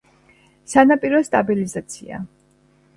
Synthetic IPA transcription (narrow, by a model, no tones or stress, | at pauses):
sanapʼiɾɔst̪ʼabilizat̪sʰḭa̰